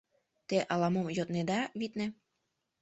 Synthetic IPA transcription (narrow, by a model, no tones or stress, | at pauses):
t̪eʔɑlɑmomjot̪ned̪ɑβit̪nĕ